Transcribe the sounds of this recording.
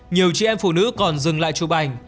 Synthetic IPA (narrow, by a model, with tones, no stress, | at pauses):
ɲi˨˩əwt͡ɕi˧˩˨ʔɛ˧mfṵ˧˩nɨ̰˧˥kɔ˨˩nzɨ˨˩ŋla̰ː˧˨jt͡ɕu˨˧˩ɓa˨˩jŋ̟